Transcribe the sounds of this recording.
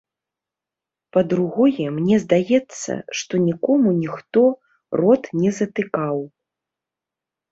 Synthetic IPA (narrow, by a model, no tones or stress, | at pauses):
pɐd̪ɾuɣɔjɛmnʲɛzd̪ajɛt̪sːɐ̰ʂt̪ɔnʲikɔmunʲixt̪ɔ | rɔt̪nʲɛzɐt̪ɨkaw